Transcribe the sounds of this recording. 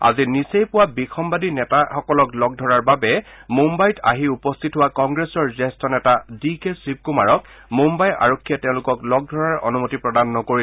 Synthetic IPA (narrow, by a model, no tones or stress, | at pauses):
a̰zinisejpʊwabixʰɔmbadinɛtaxɔkɔlɔklɔɡ̚dʱɔɹaɹbabɛmumbajta̰ɦiupɔstʰitɦʊwakɔŋɡɹesɔɹzɛstɔnɛtadikesɹib̚kumaɹɔk̚ | mumbaja̰ɹokʰːijatɛʊ̃lʊkɔklɔɡ̚dʱɔɹaɹɔ̰numotipɹɔdanːɔkoɹil